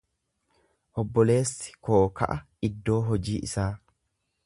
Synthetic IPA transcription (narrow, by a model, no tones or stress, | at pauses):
ʔɔbːɔle̞ːsːɪ̥ko̞ːkɐ̰ʔɐ | ɪd̪ːo̞ːɦɔd͡ʒiːʔɪ̰saː